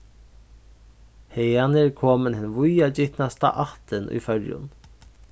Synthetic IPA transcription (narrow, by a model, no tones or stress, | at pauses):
hɛjanɪɹkʰoːmənhɪnʋʊjad͡ʒɪht̪nast̪a̰ʔaht̪ɪnʔṵjfœɹjʊ̰n